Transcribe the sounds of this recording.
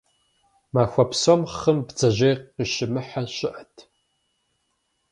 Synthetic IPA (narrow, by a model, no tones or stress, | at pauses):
maːxʷɐpsomχəmbd͡zɐʑejqiʃɪmɨħaɕɪʔɐtʰ